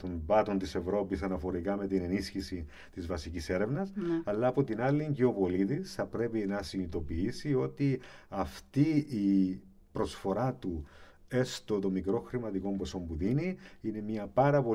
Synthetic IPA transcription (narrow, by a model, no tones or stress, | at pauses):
t̪o̞ɱvɐt̪o̞nt̪ise̞vɾo̞pisɐnɐfo̞ɾikɐme̞t̪ine̞nisçisi | t̪izvɐsicise̞ɾe̞vnɐsɐlːɐːpo̞t̪inɐlːiɲɟeopo̞lit̪isθɐpɾe̞pinɐsinit̪o̞piisio̞t̪iɐft̪iː | pɾo̞sfo̞ɾɐt̪u | e̞st̪o̞t̪o̞mikɾo̞xɾimɐt̪iko̞mpo̞so̞mpuðiniine̞mɲɐpɐɾɐpo̞